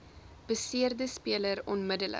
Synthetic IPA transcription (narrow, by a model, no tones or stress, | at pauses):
b̥əsiərdəspiələɾɔnmədələ̰